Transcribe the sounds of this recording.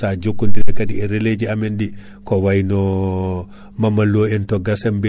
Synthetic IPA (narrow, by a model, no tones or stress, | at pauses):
sad͡ʒokːundiɾɛkadiɛɾeled͡ʒiamɛndi | kɔwajnɔ | mamːaloɛntɔɡasɛmbe